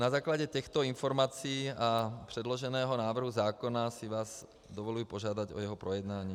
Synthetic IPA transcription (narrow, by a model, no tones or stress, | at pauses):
nazaːklaɟɛt̪ɛxt̪ɔinfɔɾmaːt͡siːapr̥ɛd̪lɔʒɛnɛːɦɔnaːʋr̩ɦuzaːkɔnasiʋaːz | d̪ɔʋɔluuːpɔʒɪad̪aɟɔ̰jɛɦɔpɾɔjɛd̪naːɲiː